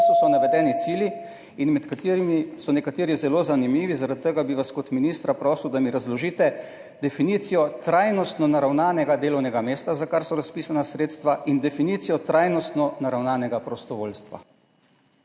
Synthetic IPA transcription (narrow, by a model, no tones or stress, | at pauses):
susɔnaʋɛd̪ɛːnit̪siːlji | inmɛt̪kat̪iːɾimisɔnɛkat̪eːɾizɛloːzanimiːʋizaɾat̪̚t̪ːəɡabiʋaskɔt̪miniːst̪ɾapɾɔːsuwd̪amiɾazlɔʒiːt̪ɛ | d̪ɛfiniːt̪sijɔt̪ɾajnɔst̪nɔnaɾawnaːnɛɡad̪eːlɔwnɛɡameːst̪azakaɾsɔɾaspiːsanasɾeːt̪st̪ʋaʔind̪ɛfiniːt̪sijɔt̪ɾajnɔst̪nɔnaɾawnaːnɛɡapɾɔst̪ɔʋoːlst̪ʋa̰